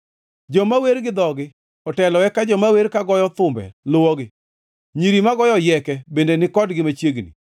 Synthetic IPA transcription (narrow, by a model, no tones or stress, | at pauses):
d͡ʒɔmaweɾɡɪd̪ɔɡɪ | ɔtɛlɔwɛkad͡ʒɔmaweɾkaɡɔjɔt̪ʊmbɛ̰lʊwɔɡɪ | ɲiɾimaɡɔjɔjɛkɛbendenɪkɔdɡɪmat͡ʃjeɡnḭ